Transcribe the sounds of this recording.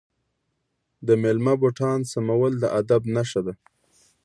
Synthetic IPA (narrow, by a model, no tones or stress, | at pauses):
d̪əmelmaboʈɑnsamawəld̪əʔad̪abnaʃad̪a